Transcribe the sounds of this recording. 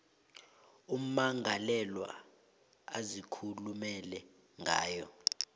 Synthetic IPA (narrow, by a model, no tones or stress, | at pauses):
um̩maŋalɛlwa̰ | azikʰulumɛlɛ | ŋʱa̰ːjɔ